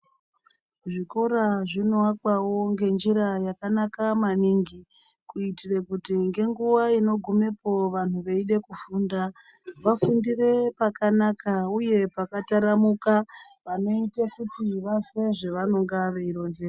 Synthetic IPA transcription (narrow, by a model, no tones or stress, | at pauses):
ʐiko̞ɾaʐinowakwawo̞ŋɡe̞nd͡ʒiɾajakanakamaniŋɡi | kuitirekutiŋɡe̞ŋɡuʋaino̞ɡʱume̞po̞ʋan̤uʋe̞iɗe̞kufuːnda | ʋafundire̞pakanakauje̞pakataɾamuka | pano̞itakutiʋasweʐe̞ʋano̞ŋɡaʋe̞iɾo̞nzera